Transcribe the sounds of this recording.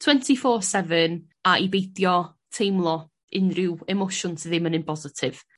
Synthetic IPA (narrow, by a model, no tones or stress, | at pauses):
tʰw̥ɛntʰifɔːsɛvən | aʔibejdjɔ | tʰejmlˠɔ | ɪnrɪwɛmowʃʊnsʰəðɪmənɪnbʰɔzɪtʰɪv̥